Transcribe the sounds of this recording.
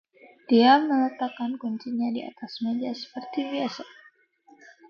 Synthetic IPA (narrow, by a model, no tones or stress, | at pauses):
d̥iamələt̪akankuɲt͡ʃiɲadia̰t̪asmad͡ʒasə̥pərt̪ibiasa